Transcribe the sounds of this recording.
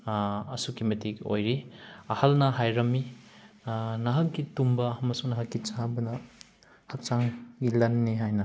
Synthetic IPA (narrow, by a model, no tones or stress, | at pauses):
ɐsukimetiko̰jɾiɐhɐlnɐɦajɾɐmːi | nɐɦɐkːitumbɐhɐmɐsuŋnɐɦɐkɡit͡ʃabɐnɐ | hɐk̚t͡ʃaŋɡilɐnːiɦajnɐ